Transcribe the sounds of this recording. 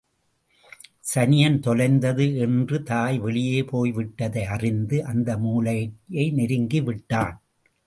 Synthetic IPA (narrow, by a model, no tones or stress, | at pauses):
sɐnɪjɐnt̪ɔlɐɪnd̪ɐðɯɛndrɯt̪aːjʋɛɭɪjeːpoːjʋɪʈːɐðɐɪɐrɪnd̪ɯʔɐnd̪ɐmuːlɐjjɐɪnɪɾɯŋɡiʋɪʈːaːn